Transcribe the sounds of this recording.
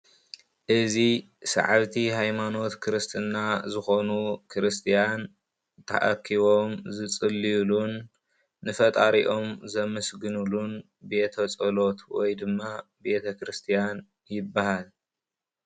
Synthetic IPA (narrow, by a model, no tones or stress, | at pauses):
ʔɨzi | sɐ̰ʕaβt̪ʰihajmano̞t̪kʰɨɾɨst̪ʰɨnːazɨxo̞nukʰɨɾɨst̪ʰijan | t̪ʰɐ̰ʔɐkʰːiβo̞mzɨt͡sʼɨlːijulunː | ɨfɐt̪ʼaɾiʔo̞mzɐmɨsɡɨnulun | be̞t̪ʰɐt͡sʼɐlo̞t̪wɔjd̪ɨmːabe̞t̪ʰɐkɾɨst̪ʰijan | jɪbːahal